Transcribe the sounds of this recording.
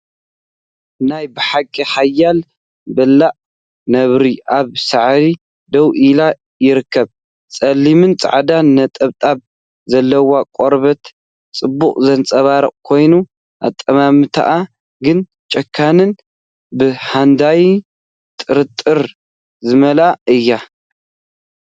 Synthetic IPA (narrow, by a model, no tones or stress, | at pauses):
najbɨħakʼːihajːal | bɐlːaʔ | nɐβɾiʔaβsaʕɾi | d̪ɐwʔila | jɪɾɨkːɐβ | t͡sʼɐlːimɨnt͡sʼa̰ʕad̪anːɐt̪ʼɐβt̪ʼab | zɐlːɐwakʼoɾβɐt̪ | t͡sʼɨbːuχʼzɐnt͡sʼɐβaɾɨqʼkʰo̞jnu | ʔa̰t̪ʼːɐmamɨt̪ʰa̰ʔa | ɡɨn | t͡ʃʼɐkʰːanɨn | bɨħand̪aj | t̪ʼɨɾɨt̪ʼːɨɾ | zɨmɐlaʔɨjːa